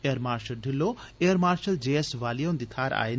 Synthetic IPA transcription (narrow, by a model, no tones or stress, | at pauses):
ejəɾmaːɾʃɐlɖʱilːo | ejəɾmaːɾʃɐld͡ʒeːesʋaːlijoːnd̪it̪ʰaːɾa̰ːin